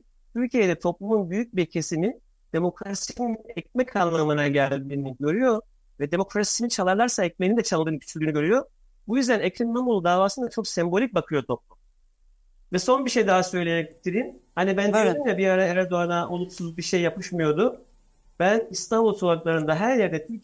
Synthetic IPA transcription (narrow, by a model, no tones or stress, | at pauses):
t̪ʰyɾcijed̪ɛt̪ʰo̞plˠumunbyjyc̚biɾcʰe̞sini | d̪̥e̞mo̞kɾasinɛc̚mɛkʰalˠːamɯnaɟælʲbiɾiniɟø̞ɾyjo̞ | vɛd̪e̞mo̞kɾasi̥sinit͡ʃʰalˠaɾlˠaɾsaɛc̚menind̪ɛt͡ʃʰalˠd̪ɯːnɯcʰy̥t͡ʃʰylʲyːnyɟø̞ɾyjo̞ | bujyzd̪ænecʰɾinːamulˠd̪aːvaːsɯnd̪at͡ʃʰoksɛmbo̞lʲic̚bakʰɯjo̞t̪ʰo̞p̚lˠum | vɛso̞nbiʃe̞jd̪aɦasø̞jlʲejɛct̪ʰiɾimhanibænimd͡ʒɛbiaɾaæɾd̪oanaʔolˠuksuzbiʃe̞jːapɯʃmɯjo̞d̪ʊ | b̥ænist̪ʰanbulˠt͡ʃʰolˠaklˠaɾɯnd̪aɦæɾjæɾd̪ɛt̪ʰi